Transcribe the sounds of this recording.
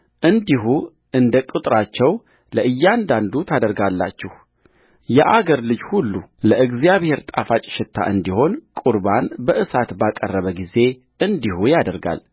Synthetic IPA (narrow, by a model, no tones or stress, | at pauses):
ʔɨnd̪iɦu | ɨnd̪əkʼɨt̪ʼɾat͡ʃːɛw | ləɨjːand̪and̪ut̪ʰad̪əɾɡalːat͡ʃːɪh | jɛʔaɡəɾlɨd͡ʒhulːuləʔɨɡzjaβhe̞ɾt̪ʼafat͡ʃʼɪ̥ʃɪt̪ʰːa̰ʔɨnd̪iho̞nkʼuɾbanbəʔɨsat̪bakʼərːəβəɡize̞ | ɨnd̪ihujad̪əɾɡa̰l